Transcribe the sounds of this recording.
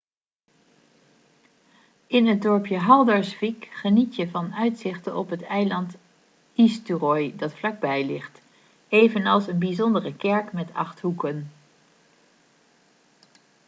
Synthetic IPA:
ɪnɦəd̚dɔɹpjəɦɑlˠdɑɹsfikχənitjəvɑnœɥtsɪχtənɔpɦətɛjlɑnt | istyrɔjdɑtflɑɡ̚bɛjlɪχt | ejvənɑlˠsənbizɔndərəkɛɹkmɛtɑ̰χtɦukən

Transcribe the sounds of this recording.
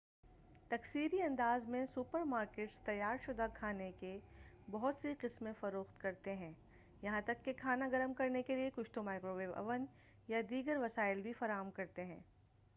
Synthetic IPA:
t̪ɐksiːɾiɐ̃nd̪aːzmẽsʊpəɾmaːɾkeːʈst̪ɐjːaːɾʃʊd̪akʰaːneke | bɐɦʊt̪siqɪsmẽfɐɾoːxt̪kɐɾt̪eɦɛ̃ː | jɐɦãt̪ɐkːekʰaːnaɡɐɾəmkɐɾnekeliekʊʃt̪omaːɪkɾoʋeːʋɐ̰ʋən | jad̪iːɡəɾʋɐsaːɪlbʱifɐɾaːɦəmkɐɾt̪eɦɛ̃ː

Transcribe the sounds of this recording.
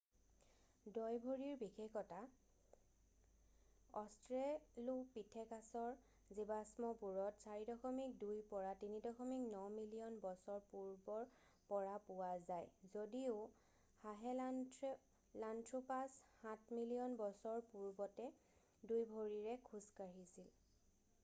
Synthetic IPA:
dɔjbʱoɹiɹbixekɔta | ɔstɹelupitʰɛkasɔɹ | zibasmɔpuɹɔtsaɹidɔxɔmik̚dujpɔɹatinidɔxɔmik̚nɔmilijɔnbɔsɔɹpuɹbɔɹ | pɔɹapʊwazajzodiʊ | haɦɛ | lantʰɹupashat̚ʰmilijɔnbɔsɔɹpuɹbɔtɛ | dujbʱoɹiɹɛkʰuskaɹisil

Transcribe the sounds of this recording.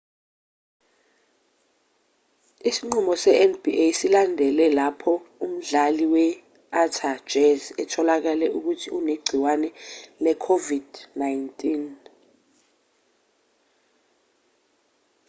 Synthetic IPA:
isiŋ͡ǀumɔsɛʔɛnb̥iʔesilandʱɛlɛlapʰɔum̩ɮaliwɛ | atʰḁd͡ʒʱɛzɛtʰɔlak̬alɛʔuk̬utʰiuneɡ͡ǀʱiwanɛlɛkʰovid̥najntʼin

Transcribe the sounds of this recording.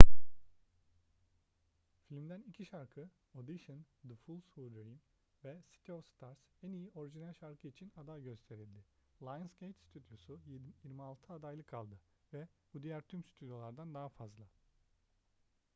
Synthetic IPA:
filʲmd̪ænicʰiʃaɾkʰɯ | o̞d̪iʃɯnd̪əfulˠshud̪ɾim | vɛsi̥t̪ʰiofst̪ʰaɾsænijiʔo̞ɾiʒinælʲʃaɾkʰɯit͡ʃʰinad̪ajɟø̞st̪ʰe̞ɾilʲd̪ɪlˠajɯnscejt̪st̪ʰyd̪jo̞sujiɾmialˠt̪ʰɯad̪ajlˠɯkʰːalˠd̪ɯ | vɛb̥ud̪ijæɾt̪ʰymst̪ʰyd̪jo̞lˠaɾd̪and̪aɦafazlˠa

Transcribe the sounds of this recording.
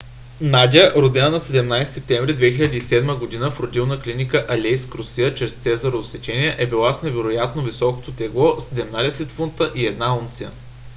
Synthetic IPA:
nad̪ʲiəʔɾod̪ɛnənɐsɛd̪ɛmnajst̪ɛp̚t̪ɛɱvɾid̪vɛxilʲəd̪ʲiisɛd̪məɡod̪inəfɾod̪ilˠnəklinikəʔɐlʲɛjskɾosiət͡ʃɾɛst̪sɛzɐɾoːsɛt͡ʃɛnʲiɛʔɛbilˠasnɛvɛɾojat̪novisɔkot̪ot̪ɛɡlˠɔsɛd̪ɛmnad̪ɛsɛt̪funt̪əʔiɛd̪naunt̪siə̰

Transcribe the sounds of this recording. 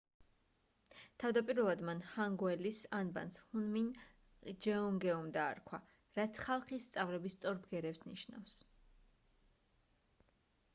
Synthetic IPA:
t̪ʰavd̪apʼiɾvɛlˠad̪manhaŋɡwɛlisanba̰nshunmin | d͡ʒɛɔŋɡɛumd̪a̰ːɾkʰwa | ɾat̪sʰχalˠχist̪sʼavlɛbist̪sʼɔɾbɡɛɾɛpsniʃna̰fs

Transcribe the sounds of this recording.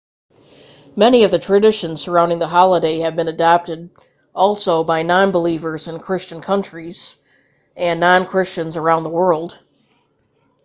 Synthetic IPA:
mɛniʌvðɨtʰɹ̥ɨdɪʃɨ̃nz̥sə˞ãʊ̃ndɪ̃ŋðəɦɑlˠədeɪɨvbɨ̃nɨdɑp̚tɨɾ | ʔɔlˠsoʊbaɪnɑ̃nbəlivə˞zɨ̃nkʰɹ̥ɪst͡ʃɨ̃nkʰʌ̃nt͡ʃɹ̥iz̥ | ʔɨ̃nːɑ̃nkʰɹ̥ɪst͡ʃɨ̃nzə˞ãʊ̃nðəwɜ˞lˠd̥

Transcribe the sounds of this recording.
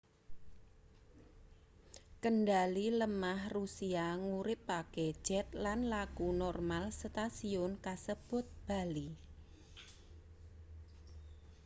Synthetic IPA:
kəɳɖaliləmahrusiaŋuɾɪpːakɛ̥ʒ̥ɛt̪̚lanlaɡ̥unɔrmalst̪asiʊnkasəb̥ʊt̪̚b̥a̤li

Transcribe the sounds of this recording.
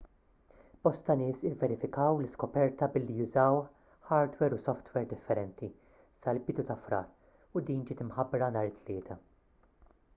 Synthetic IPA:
b̥ɔst̪ɐnɪːsɪvːɛɾɪfɪkɐwlɪskɔpɛɾt̪ɐbɪlːijʊzɐw | ħɐːɾd̪wɛɾʊsɔft̪wɛɾd̪ɪfːɛɾɛnt̪i | sɐlbɪd̪ut̪ɐfɾɐ̰ːɾ | ʊd̪iːnd͡ʒɪːt̪ɪmħɐbɾɐnɐːɾɪt̪ʰːlɪːt̪ʰɐ

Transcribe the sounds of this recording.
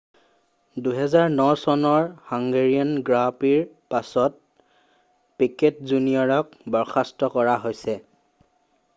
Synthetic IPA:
duɦɛzaɹnɔsɔnɔɹhaŋɡeɹiɔnɡɹapiɹ | pasɔt̚ | piketzunijɔɹɔk̚bɔɹxʰastɔkɔɹaɦojsɛ

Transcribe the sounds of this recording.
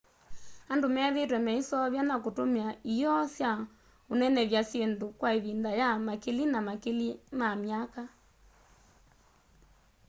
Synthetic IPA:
andomɛaðetwɛmɛisɔβjanakotomiaijɔsja | onɛnɛβjasjendokwaiβindajamakilinamakilimamjaka

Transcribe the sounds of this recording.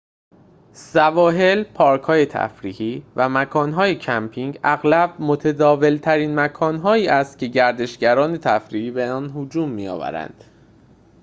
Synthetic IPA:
sævɒːɦe̞lpʰɒːɾkʰɒːje̞t̪ʰæ̰fɾiːhiːvæmækʰɒːnɦɒːje̞cʰæmpʰiŋɟæɣlæb̥̚mot̪ʰed̪ɒːve̞lt̪ʰæɾiːnmækʰɒːnɦɒːiːæst̪̚cʰe̞ɟæɾd̪e̞ʃɟæɾɒːnet̪ʰæfɾiːhiːbe̞ɒːnɦod͡ʒuːmːiːjɒ̰ːvæ̰ɾæ̰nd̪̥

